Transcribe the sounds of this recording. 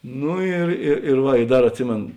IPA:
ˈnʊ ɪr ɪr ɪr ˈʋɐ ɪ ˈdɐr ɐtʲˈsʲɪmʲeːn

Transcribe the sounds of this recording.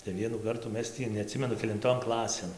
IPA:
tɐɪ ˈʋʲiɛnuː ˈkɐrtuː ˈmʲɛs tʲiː nʲɛɐˈtʲsʲɪmʲɛnʊ kʲɛlʲɪnˈtoːn ˈklˠɑːsʲeːn

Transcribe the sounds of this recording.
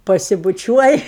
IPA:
pɐsʲɪbʊˈt͡ʃʲuɔj

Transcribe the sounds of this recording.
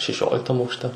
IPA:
ʃʲɛˈʃʲoːlʲɪktɐm ɐʊkʃʲˈtʲɛ

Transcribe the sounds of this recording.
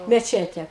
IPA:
mʲɛˈt͡ʃʲæːtʲɛ

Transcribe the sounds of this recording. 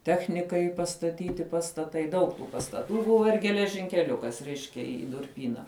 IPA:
ˈtʲæːxʲnʲɪkɐɪ pɐstɐˈtʲiːtʲɪ pɐstɐˈtɐɪ ˈdɐʊk tuː pɐstɐˈtuː ˈbʊʋɐ ɪr ɡʲɛlʲɛʒʲɪŋʲkʲɛˈlʲʊkɐs ˈrʲɛɪʃʲkʲɛ ɪ ɪ dʊrʲˈpʲiːnɐ

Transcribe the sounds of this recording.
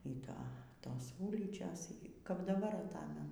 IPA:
iː ˈtoː ˈtoːs ˈuːlʲiːt͡ʃʲoːs iː kɐp dɐˈbɐr ɐˈtɑːmʲɛnʊ

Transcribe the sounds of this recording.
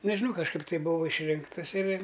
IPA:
nʲɛʒʲɪˈnɐʊ kɐʃˈkɐɪp tɐɪ ˈbʊʋɐʊ ɪʃʲˈrʲɪŋktɐs ɪr

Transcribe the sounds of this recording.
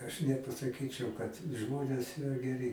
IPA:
ɐʃ nʲɛpɐsɐˈkʲiːt͡ʃʲɛʊ kɐt ˈʒmoːnʲeːs ˈiːrɐ ɡʲɛˈrʲɪ

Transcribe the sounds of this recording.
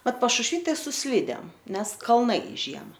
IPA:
ˈmɐt pɐʃʊʃʲˈʋʲiː ˈtɐɪ sʊ ˈsʲlʲiːdʲeːm ˈnʲɛs kɐlˠˈnɐɪ ˈʒʲiɛmɐ

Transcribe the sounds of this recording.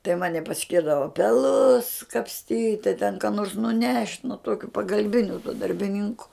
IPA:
tɐɪ ˈmɑːnʲɪ pɐˈsʲkʲɪrdɐʋɐ pʲɛˈlˠʊs kɐpʲsʲˈtʲiːtʲ tɐɪ tʲɛn kɑː noːrs nʊˈnʲɛʃʲtʲ nʊ ˈtuɔkʲʊ pɐɡɐlʲˈbʲɪnʲʊ tuɔ dɐrʲbʲɪˈnʲɪŋkʊ

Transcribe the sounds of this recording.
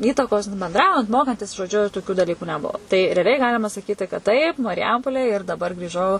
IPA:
ˈiːtɐkoːs bʲɛnˈdrɐʊjɛnt ˈmoːkɐnʲtʲɪs ʒoːˈd͡ʒʲʊ toːˈkʲʊ dɐˈlʲiːkʊ nʲɛˈbuɔ tɐɪ rʲɛɐˈlʲɛɪ ˈɡɑːlʲɪmɐ sɐˈkʲiːtʲɪ kɐt tɐɪp mɐrʲˈjɛmpoːlʲeːj ɪr dɐˈbɐr ɡrʲiːˈʒɐʊ

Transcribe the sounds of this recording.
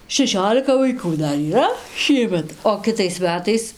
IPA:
ʃʲɛˈʃʲoːlʲɪkɐ ʋɐɪˈkuː ˈdɐr iːˈrɐ ˈʃʲiɛmʲɛt oː kʲɪˈtɐɪs ˈmʲæːtɐɪs

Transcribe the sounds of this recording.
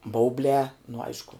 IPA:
ˈbɐʊbʲlʲɛː nʊ ˈɐɪʃkʊ

